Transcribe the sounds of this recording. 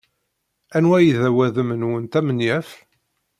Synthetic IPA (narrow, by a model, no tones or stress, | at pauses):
ænwæjiðæwæðəmənwənt̪æmənjæf